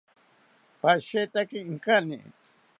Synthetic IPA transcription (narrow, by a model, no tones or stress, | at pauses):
paʃet̪akɪŋkanɪ̰